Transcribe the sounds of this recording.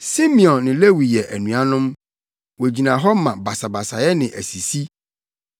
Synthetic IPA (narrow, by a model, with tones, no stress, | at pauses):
si˦mĩ˨ɔ̃˨nːɪ̃˨le˦wi˨jɛ˨ʔæ˨nũ˨a˨nʊ̃˦m | wo˨d͡ʑi˨nã˨ɦɔ˦mã˨ba˨sa˨ba˨sa˨jɛ˦nɪ̃˨ʔæ˨si˨si˦